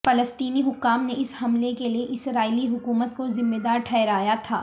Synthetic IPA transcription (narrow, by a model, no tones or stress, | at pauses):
fɐləst̪iːniɦʊkːaːmneɪshɐmlekelieʔɪsɾaːiːliɦʊkuːmət̪̚kozɪmːed̪aːɾʈʰɛːɾaːjat̪ʰa̰ː